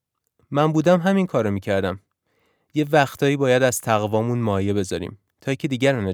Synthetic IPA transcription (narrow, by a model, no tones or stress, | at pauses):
mænbuːd̪æmɦæminkʰɒːɾɒmiːcʰæɾd̪æm | jevæxt̪ʰɒːiːbɒːjæd̪æz̥t̪ʰæɣvɒːmuːnmɒːjebe̞zɒːɾḭːm | t̪ʰɒːjicʰed̪iːɟæɾænɒ